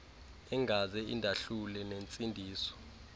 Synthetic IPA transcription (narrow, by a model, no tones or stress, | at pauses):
ɛŋɡʱazɛḭndʱaɬulɛnent͡sʼindʱiːsɔ̥